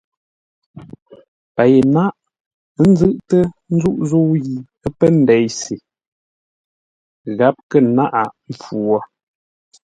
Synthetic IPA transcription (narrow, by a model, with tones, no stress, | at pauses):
pa˨je˨na˦ʔ | n̩˦zɨ˦ʔtə˦n̩˦zu˦ʔzo˦ɣi˨ | ə˦pə˦n̩˨dɛ˨˦jsi˨ | ɣa˨˦p̚kə˦˨na˦ʔa˨m˨p͡fu˨ɔ˦